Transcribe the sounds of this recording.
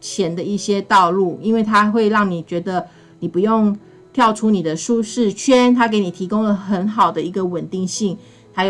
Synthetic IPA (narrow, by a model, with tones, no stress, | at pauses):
t͡ɕʰjɛ˧˦˥nd̪ə˧i˥˩ɕjɛ˥t̪ɑ˥˧ʊlu˥˩i˥nwe˥˩ɪt̪ʰa˦xwe˥˧ɪɻɑ˥˩ŋni˨˩t͡ɕɥɛ˧˥d̪ə˨ | ni˨˩pu˧˦jo˥˨˩ŋ | t̪ʰjɑ˥˩ʊʈ͡ʂʰu˦˥ni˨˩d̪ə˩ʂu˥˧ʂɻ̩˥˩t͡ɕʰɥɛ˥nt̪ʰa˥ke˧˥ɪni˨˩t̪ʰi˧˥ko˥ŋlə˨xə˧˦˥nxɑ˨˩ʊd̪ə˦i˧˥ɡə˧wə˨˩nt̪i˥˧ŋɕi˥˩ŋ | t̪ʰa˥j